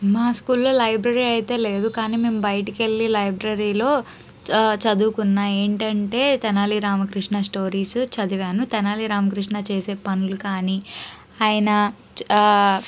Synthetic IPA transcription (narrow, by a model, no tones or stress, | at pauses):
maːskuːlːoːlɐjbɾɐɾiːɐjit̪e̞ːle̞ːd̪ukaːniːme̞ːmubɐjʈɐkelːilɐjbɾɐɾiːloː | t͡ʃɐd̪uːkunːaːeːɳʈɐɳʈe̞ːt̪ɛnaːliɾaːmɐkɾiʂɳasʈo̞ːɾiːst͡ʃɐd̪iʋjaːnut̪ɛnaːliɾaːmɐkɾiʂɳat͡ʃe̞ːse̞ːpɐnulukaːni | aːjɐnɐ